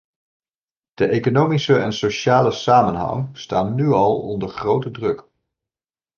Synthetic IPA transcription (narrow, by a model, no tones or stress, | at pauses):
d̥əʔejkonowmisəɛnsoʃaːləsaːmənɦɑ̰ŋstaːnnyɑlˠɔ̰ndəɹχrowtədrɵk